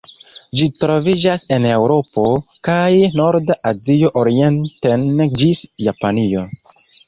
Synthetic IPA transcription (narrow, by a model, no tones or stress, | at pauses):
d͡ʒitɾo̞vid͡ʒase̞ne̞wɾo̞po̞kajno̞ɾdaʔazio̞ʔoɾie̞ntend͡ʒisjapanio̞